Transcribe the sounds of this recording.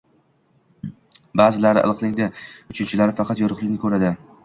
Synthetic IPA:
baːzɪlaɾɪ̰ʔɨ̰lˠɨqlˠɪŋd̪ɪʊt͡ʃʰɪnt͡ʃʰɪlaɾɪfɑqʰɑt̪jɒɾʊχlɪkʲnɪkʰɵɾad̪ɪ

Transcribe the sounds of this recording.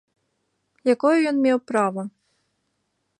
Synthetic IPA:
jakɔjʊjɔnmʲɛwpɾavɐ

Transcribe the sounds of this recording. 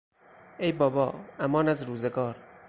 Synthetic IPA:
ejbɒːbɒːæmɒːnæzɾuːzeɡɒːɾ

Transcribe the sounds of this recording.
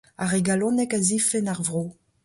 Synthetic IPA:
aʁeɡalɔ̃nɛkazifɛnaʁvʁoː

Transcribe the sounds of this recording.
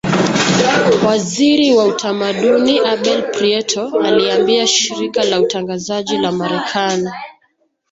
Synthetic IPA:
waziɾiwautʰamaɗuniʔaɓɛlpɾiɛtʰɔaliambiaʃiɾikalautaŋɡazaʄilamaɾɛkʰani

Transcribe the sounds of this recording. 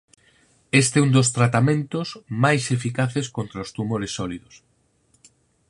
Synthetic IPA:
est̪ɛund̪os̬t̪ɾat̪amẽnt̪ozmajsefikaθeskont̪ɾaost̪umoɾesːɔliðos

